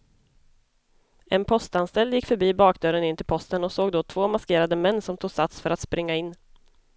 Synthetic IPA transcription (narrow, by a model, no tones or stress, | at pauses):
ɛnpʰɔst̪anst̪ɛlːjɪkːfœɾbiːbɑːkd̪œɾənɪnt̪ʰɪlpʰɔst̪ənɔsoːɡd̪oːt̪ʰv̥oːmaskeːɾad̪əmɛnːsɔmt̪ʰuːsat̪sfœɾat̪spɾɪŋːaɪnː